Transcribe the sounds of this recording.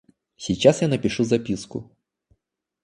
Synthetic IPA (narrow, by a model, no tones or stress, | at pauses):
sʲijt͡ɕasjanɐpʲiʂuzapʲiskʊ̰